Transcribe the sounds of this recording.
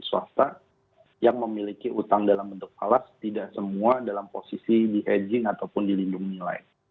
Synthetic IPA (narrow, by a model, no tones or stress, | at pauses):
suast̪a | jaŋməmilikiʔut̪aŋdalambənt̪ʊk̚palast̪idaʔsəmuadalamposisidiɦed͡ʒɪŋat̪awpʊndilindʊŋnila̰ɪ